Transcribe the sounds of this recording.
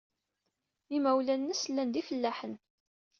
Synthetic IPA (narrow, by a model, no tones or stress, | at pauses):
imæwlænːəslːænd̪ifəlːæħən